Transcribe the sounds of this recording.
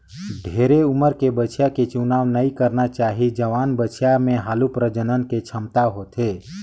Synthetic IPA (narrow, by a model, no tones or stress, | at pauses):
ɖʱeɾeuməɾkebət͡ʃʰjaket͡ʃunaːʋnəikəɾnat͡ʃaːɦid͡ʒəʋaːnbət͡ʃʰjamẽɦaːlupɾəd͡ʒənənket͡ʃʰəmt̪aɦot̪ʰe